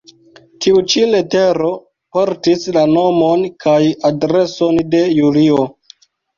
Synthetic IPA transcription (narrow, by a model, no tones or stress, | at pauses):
tʰiut͡ʃile̞te̞ɾo̞ | po̞ɾtislano̞monkʰajadɾe̞so̞nde̞julio̞